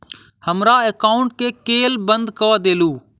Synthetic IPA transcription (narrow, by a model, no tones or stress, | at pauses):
həmɾaːeːkaːʊɳʈ̚keːkeːlbənd̪kəʋaːd̪eːluː